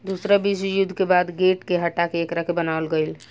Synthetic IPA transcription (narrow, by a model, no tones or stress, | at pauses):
d̪usɾabisjud̪ʱːkebad̪ɡeʈkeɦəʈːakeːkɾakebənaəlɡəjl